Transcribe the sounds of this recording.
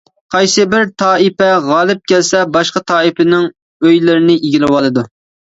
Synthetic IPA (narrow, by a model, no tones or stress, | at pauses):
qʰɑjsɨbɪɾt̪ʰɑːɪpɛʁɑːlˠɨp̚kʲʰɛlsɛbɑʃqɑt̪ʰɑːɪpɪnɪŋ | øjlɪɾɪnɪʔiɡʲilɪwɑlˠɨd̪u